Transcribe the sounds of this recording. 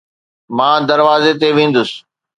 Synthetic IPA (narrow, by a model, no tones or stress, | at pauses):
mãːd̪ɐɾʋaːzet̪eʋẽːn̆d̪ʊsɪ̥